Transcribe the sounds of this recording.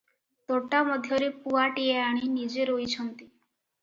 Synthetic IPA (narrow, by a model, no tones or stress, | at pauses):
t̪oʈamɔd̪ʱjɔɾepuaʈieaɽ̃inid͡ʒeɾoit͡ɕʰɔnt̪i